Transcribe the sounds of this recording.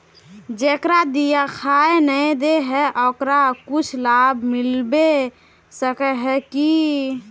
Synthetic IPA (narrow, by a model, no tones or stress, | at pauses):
d͡ʒekɾad̪ijakʰaenəd̪eɦɛʔɔkɾakut͡ʃʰlabʱmilbe | səkɛɦɛki